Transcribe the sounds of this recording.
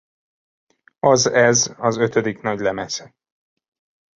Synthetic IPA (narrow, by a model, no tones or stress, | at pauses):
ɒzɛzɒzø̞t̪ød̪iknɒɟlɛmɛsɛ̥